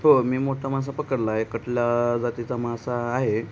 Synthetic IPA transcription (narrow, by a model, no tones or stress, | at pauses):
ɦomiːmoʈʰamas̬apəkəɽlaːɦekəʈʰljad͡zat̪it͡samasaːɦe